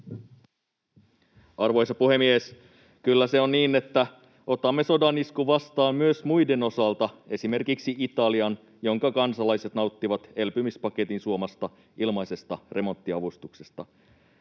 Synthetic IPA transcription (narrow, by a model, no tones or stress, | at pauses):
ɑrʋo̞jsɑpuhe̞mies | kylːæseonːiːne̞t̪ːæ | o̞t̪ɑmːe̞so̞dɑniskuʋɑst̪ɑːmmyøsmujde̞no̞sɑlt̪ɑe̞sime̞rkiksiʔit̪ɑliɑn | jo̞ŋkɑkɑnsɑlɑjse̞t̪nɑut̪ːiʋɑt̪e̞lpymispɑket̪insuo̞mɑst̪ɑ | ilmɑjse̞st̪ɑre̞mo̞nt̪ːiɑʋust̪ukse̞st̪ɑ